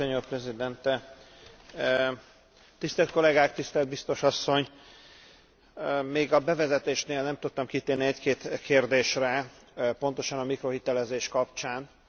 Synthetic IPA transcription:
oɲoːprɛzid̪ɛnt̪ɛ | t̪ist̪ɛlt̪ko̞lɛɡaːkt̪ist̪ɛld̪̚bist̪o̞ʃɒsːo̞ɲ | meːɡɒbɛvɛzɛt̪eːʃneːlnɛmt̪ut̪ːɒmkit̪eːniɛckeːt̪kʰeːrd̪eːʃrɛ | po̞nt̪o̞ʃɒnɒmikro̞ɦit̪ɛlɛzeːʃkɒpt͡ʃaːn

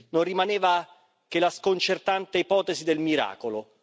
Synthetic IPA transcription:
nonrimaneːva | kelaskont͡ʃert̪ant̪eipɔːt̪esid̪elmiɾa̰ːkolo

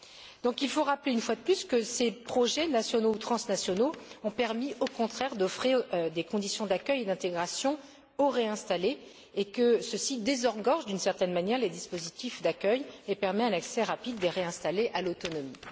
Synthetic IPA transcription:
d̪̥ɔ̃kilfoʁapleynfwad̪əplyskəsepχɔʒɛnasjɔnout̪χɑ̃snasjɔnoɔ̃pɛʁmiʔokɔ̃t̪χɛʁd̪ɔfχiʁd̪ekɔ̃d̪isjɔ̃d̪akʲœjed̪ɛ̃t̪eɡʁasjɔ̃ | oʁeɛ̃st̪aleː | kəsəsid̪ezɔʁɡɔʁʒd̪ynsɛʁt̪ɛnmanjɛʁled̪ispozit̪ifd̪akʲœjepɛʁmɛɛ̃naksɛʁapid̪ːeʁeɛ̃st̪aleʔalot̪ɔnɔmi

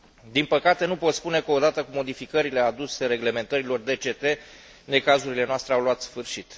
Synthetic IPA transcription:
d̪inpəkat̪e̞nupo̞t̪spune̞kəod̪at̪əkumo̞d̪ifikəɾile̞ad̪use̞ɾe̞ɡle̞me̞nt̪əɾilo̞rd̪e̞t͡ʃe̞t̪e̞ | ne̞kazuɾile̞noast̪ɾeawluat̪sfɨrʃit̪

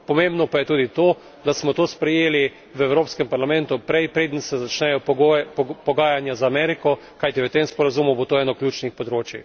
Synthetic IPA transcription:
pɔmẽmbnɔpajɛt̪uːd̪it̪oː | d̪asmɔt̪oːspɾɛjeːli | ʋɛwɾoːpskɛmpaɾlamɛ̃nt̪ʊpɾɛjpɾeːd̪ən̩sɛzat͡ʃnɛjɔɡopɔɡaːjanjazaːmɛɾikɔ | kajt̪iʋət̪emspɔɾazumʊbot̪oːɛːnɔklʲjuːt͡ʃnixpɔd̪ɾoːt͡ʃji

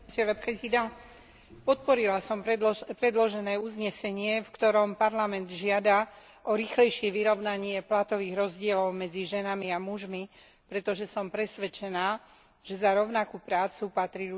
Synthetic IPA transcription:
sɛɾapɾɛzid̪a | pɔt̪̚pɔɾilasɔmpɾɛd̪lɔʒɛnɛːuzɲɛsɛɲɪɛfkt̪ɔɾɔmpaɾlamɛnd̪ʒɪad̪a | ʔɔɾixlɛjʃɪɛʋiɾɔʊnaɲɪɛplat̪ɔʋiːɣɾɔzɟɪɛlɔʊmɛd͡ziʒɛnamiamuʒmi | pɾɛt̪ɔʒɛsɔmpɾɛsʋɛt͡ʃɛnaː | ʒ̥ɛzaɾɔʊnakupɾaːt͡supat̪ɾiu

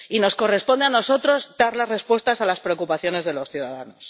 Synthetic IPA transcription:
ino̞sko̞re̞spo̞nd̪eano̞so̞t̪ɾo̞zd̪aɾlazre̞spwe̞st̪asalaspɾeokupaθjo̞ne̞zðe̞lo̞sθjuðaða̰no̞s

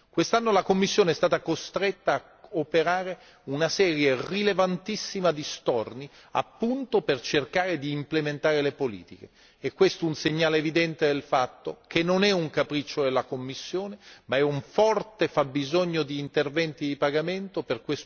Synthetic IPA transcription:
kwest̪anːolakomːisːjoːneɛst̪aːt̪akost̪ɾet̪ːaː | opeɾaːɾe | unasɛːɾjerilevant̪isːimad̪ist̪ɔrni | a̰pːunt̪opert͡ʃerkaːɾed̪iːmplement̪aːɾelepolḭːt̪ik̟eː | kːwest̪ounseɲːaːleːvid̪ɛnt̪ed̪elfat̪ːokʰenːonɛuŋkapɾit͡ʃːod̪elakomːisːjoːnemaɛuɱfɔrt̪efabːizoɲːod̪iːnt̪ervɛnt̪id̪ipaɡament̪operkwes

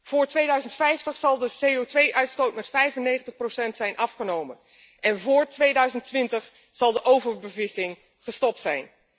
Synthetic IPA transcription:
v̥ʊːɹtʋejdœɥzəntfɛjftəχsɑlˠdəsejowtʋejʔœɥtstowtmɛtfɛjvənːejχəntəχprosɛntsɛjnʔɑfχənowmən | ʔɛnvʊːɹtʋejdœɥzəntʋɪntəχ | z̥ɑlˠdəʔowvəɹbəvɪsɪŋ | χəstɔp̚tsɛjn

